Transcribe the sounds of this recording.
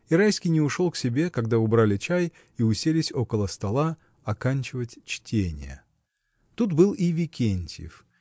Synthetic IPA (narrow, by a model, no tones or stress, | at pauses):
ɪɾajsʲkʲɪjnʲɪʊʂo̞lˠksʲɪbʲe̞kɐɡd̪aʊbɾalʲɪt͡ɕæj | iʊsʲelʲɪsʲo̞kəlˠəst̪ɐlˠa | ɐkanʲt͡ɕɪvətʲt͡ɕtʲenʲɪ̰jə̰ | t̪ut̪bɨlˠivʲɪkʲʰenʲtʲjɪ̰f